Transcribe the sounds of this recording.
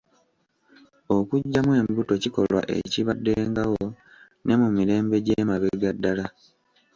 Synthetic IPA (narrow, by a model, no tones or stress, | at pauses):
o̞kuɟːamwe̞ːmbuto̞ciko̞lwa̰ʔe̞̰ciβadːe̞ːŋɡawo | ne̞mumiɾe̞ːmbe̞ɟeːmaβeɡadːala